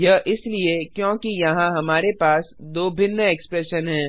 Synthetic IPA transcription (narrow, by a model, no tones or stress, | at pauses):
jɐʔɪsliekjõːkijɐɦãɦɐmaːɾepaːsd̪oːbʱɪnːəeːkspɾɛʃənɦɛ̃ː